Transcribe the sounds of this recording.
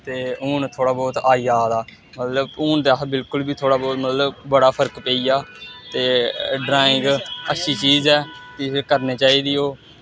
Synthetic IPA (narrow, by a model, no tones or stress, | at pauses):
t̪eːuːnt̪ʰoːɽaːbɔːt̪aːiːjaːd̪aː | mət̪ləbuːɳd̪eabɪlkʊlbiːt̪ʰoːɽaːbɔːt̪mət̪ləbbəɽaːpʰəɾkpeːiːjaːt̪eːɖɾaːɪ̃ŋɡətːʃiːt͡ʃiːzɛːkɪɾkəɾneːt͡ʃaːiːd̪iːoː